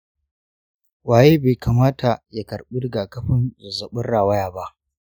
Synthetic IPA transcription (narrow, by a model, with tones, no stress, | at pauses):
waː˨jeː˦beː˨kaː˨maː˦tʰa˨ja˨kɐ˨ɽɓʊ˦dɡaː˨kɐ˦ɸɪ˦nzʊ˨zɐ˨ɓʊ˦nɽaː˨wɐ˦jaː˨ba˦ʔ